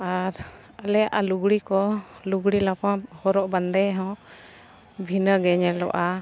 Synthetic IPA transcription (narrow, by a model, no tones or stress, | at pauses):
aɾ | əlɛjaʔaluɡɽikɔluɡɽilapahɔɾɔʔband̪ɛɦɔ̃ | bʱinəɡɛɲɛlɔ̰ʔa